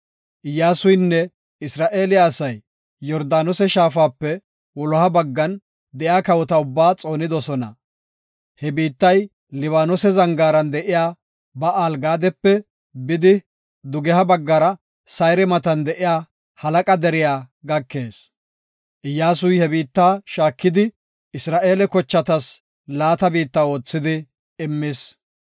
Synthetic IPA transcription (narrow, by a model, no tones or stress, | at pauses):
ʔɪjːaːsʊjnːɛ | ɪsɾaːʔeːlɪjaːsɐjː | ɔɾd̪aːnɔsɛʃaːfaːpːɛ | wɔlɔhɐbɐɡːɐn | d̪ɛjaːkɐwɔt̪ɐʊbːaːt͡sʼo̞ːnɪd̪ɔsɔnɐ̰ | hɛbiːt̪ːɐj | lɪβaːnɔsɛzɐŋɡaːɾɐnd̪ɛʔɪjaː | bɐʔaːlɡaːd̪ɛpːɛ | bɪd̪ɪ | d̪ʊɡɛhɐbɐɡːɐɾɐ | sɐjɾɛmɐt̪ɐnd̪ɛʔɪjaː | hɐlɐkʼɐd̪ɛɾɪjaːɡɐkːe̞ːs | ʔɪjːaːsʊjhɛbiːt̪ːaːʃaːkːɪd̪ɪ | ɪsɾaːʔe̞ːlɛkɔt͡ʃːɐt̪ɐs | laːt̪ɐbiːt̪ːɐwo̞ːt͡sːɪd̪ɪː | mːɪs